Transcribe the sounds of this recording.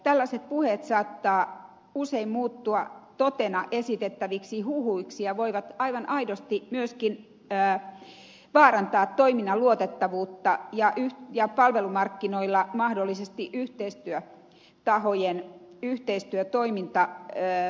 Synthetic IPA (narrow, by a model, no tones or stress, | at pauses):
t̪ælːæset̪̚puhet̪sɑːt̪ːɑː | useimmuːt̪ːuɑt̪ot̪enɑʔesit̪et̪ːæʋiksihuhuiksijɑʋoiʋɑt̪ɑiʋɑnʔɑidost̪imyøskin | əː | ʋɑːrɑnt̪ɑːt̪toiminːɑluot̪et̪ːɑʋuːt̪ːɑjɑʔyhjɑpɑlʋelumɑrkːinoilːɑmɑhdolːisest̪iʔyht̪eist̪yø | t̪ɑhojen | yht̪eist̪yøt̪oimint̪ɑ